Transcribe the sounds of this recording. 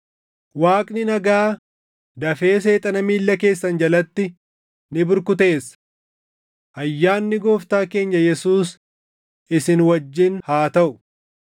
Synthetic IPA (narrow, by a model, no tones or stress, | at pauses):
waːkʼnɪnɐɡaː | d̪ɐfe̞ːse̞ːt̪ʼɐnɐmiːlːɐke̞ːsːɐnd͡ʒɐlɐt̪ːɪ | nɪbʊɾkʊt̪e̞ːs | ʔɐjːaːnːɪɡoːft̪aːke̞ːɲːɐjɛsuːs | ʔɪsɪnwɐd͡ʒːɪnhaːt̪ɐʔʊ̥